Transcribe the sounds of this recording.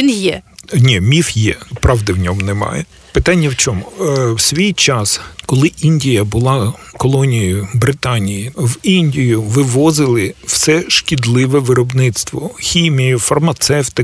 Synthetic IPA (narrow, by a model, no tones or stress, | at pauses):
injɛnʲimʲifjɛpɾɑʋd̪ɪwnʲɔmnɛmɑ̰jɛ | pɪt̪ɑnʲːɐwt͡ʃʲɔmʊwsʲʋʲijt͡ʃɑskɔlˠɪʔinʲdʲijɐbʊlˠɑkɔlˠɔnʲijʊbɾɪt̪ɑnʲijiʋinʲdʲijʊʋɪʋɔzɪlˠɪw̥sɛʃkʲid̪lˠɪʋɛʋɪɾɔbnɪt̪st̪ʋɔxʲimʲijʊfɐrmɐt̪sɛwt̪ɪ